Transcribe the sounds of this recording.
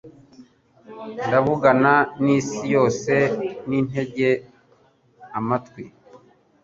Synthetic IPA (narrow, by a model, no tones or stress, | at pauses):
ndaβuɡananiːsijo̞ːse̞nin̥ɦe̞ɟe̞ | amatkwi